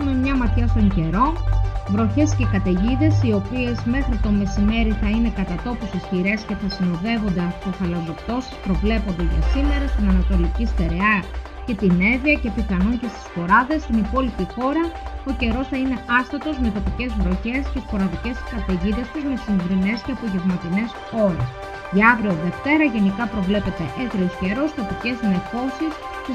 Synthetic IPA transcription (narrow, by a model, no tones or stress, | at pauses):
umemɲɐmɐt̪çɐst̪o̞ɲce̞ɾo̞vɾo̞çe̞sce̞kɐt̪eʝiðe̞sio̞pie̞zme̞xɾit̪o̞me̞sime̞ɾiθɐine̞kɐt̪ɐt̪o̞pust̪isçiɾe̞sce̞θɐsino̞ðe̞vo̞nd̪e̞ɐfp̪uθɐlɐzo̞pt̪o̞si̥spɾo̞vle̞po̞nd̪e̞ʝɐ̰sime̞ɾɐst̪inɐnɐt̪o̞licist̪e̞ɾe̞ɐ | ce̞t̪ine̞viɐce̞piθɐnuncest̪i̥spo̞ɾɐðe̞st̪inipo̞lipixo̞ɾɐo̞ce̞ɾo̞sθɐine̞ɐst̪ɐt̪o̞zme̞t̪o̞pice̞zvɾo̞çe̞st̪t̪ispo̞ɾɐðice̞skɐt̪eʝiðe̞st̪uzme̞sinɡɾine̞sceɐpo̞ʝe̞vmɐt̪ine̞s | o̞ɾḛs | ʝiɐvɾio̞ðe̞ft̪e̞ɾɐʝe̞nikɐpɾo̞vle̞pe̞t̪e̞ʔet̪ɾiosce̞ɾo̞st̪o̞pice̞zne̞fo̞sis